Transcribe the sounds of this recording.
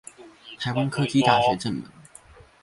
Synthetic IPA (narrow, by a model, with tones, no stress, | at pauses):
t̪ʰa˨˥ɪwa˥nkʰɤ˥˧t͡ɕi˥t̪a˥˩ɕɥɛ˧˥ʈ͡ʂə˥˩nmə̰˧˦ŋ